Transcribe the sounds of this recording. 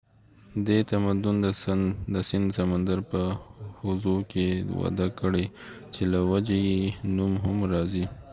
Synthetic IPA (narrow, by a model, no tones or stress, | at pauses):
d̪et̪amad̪ʊnəd̪əsɪnd̪samand̪aɾpəhʊzukewa̰d̪akəɽet͡ʃelawad͡ʒejenumɦʊmɾɑzi